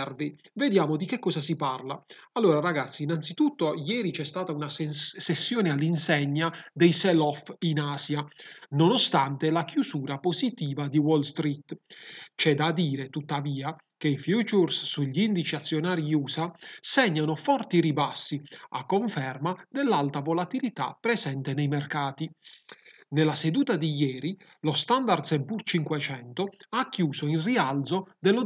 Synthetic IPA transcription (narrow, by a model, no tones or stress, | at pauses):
rvived̪jaːmod̪ikekːɔːsasiparlaalːoːɾaɾaɡat̪sːiːnant̪sit̪ut̪ːojɛːɾit͡ʃɛst̪aːt̪aunassesːjɔːnealːinsɛɲːad̪ejsɛlɔfinaːsjanonost̪ant̪elakjusuːɾapozit̪iːvad̪iwɔlst̪ɾit̪ːt͡ʃɛd̪ad̪iːɾet̪ut̪ːaviːa | keifjut͡ʃursːuʎːiind̪it͡ʃiat̪sːjonaːɾiuːsasɛɲːanofɔrt̪iɾibasːia̰kːoɱfɛrmad̪elːalt̪avolat̪ilit̪a̰pːɾɛzɛnt̪enejmerkaːt̪i | nelased̪uːt̪ad̪ijɛːɾi | lost̪and̪ard̪sɛmpurt͡ʃiŋkwɛt͡ʃɛnt̪oakːjuːsoinriald̪zod̪elːo